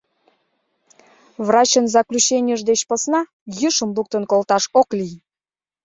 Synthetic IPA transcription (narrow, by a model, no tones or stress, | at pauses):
βrɑt͡ɕənzɑklʲut͡ɕenʲjəʒd̪et͡ɕpəsnɑ | jɨʃəmluk̚t̪ənkolt̪ɑʃoklij